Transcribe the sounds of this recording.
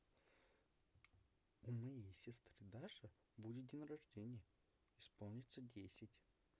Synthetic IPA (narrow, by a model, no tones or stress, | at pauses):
umɐjejsʲɪst̪ɾɨd̪aʂɨ | budʲɪt̪̚d̪ʲɪnəɾɐʐdʲenʲɪjə | ɪspo̞lˠnʲɪt̪sədʲesʲɪtʲ